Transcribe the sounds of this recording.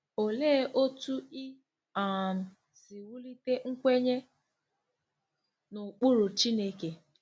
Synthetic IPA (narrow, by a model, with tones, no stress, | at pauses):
o˨leː˦ʔo˦tu˦i˦ | a˨m̩˨ | si˨wu˦li˦te˦ŋ̩˦kʷe˦ɲe˦ | nʊ˨k͡pu˦ɾu˨t͡ʃi˦ne˦ke˨